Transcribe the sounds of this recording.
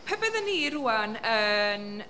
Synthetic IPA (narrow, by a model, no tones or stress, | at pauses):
pʰɛbɛðənːiːɾuanən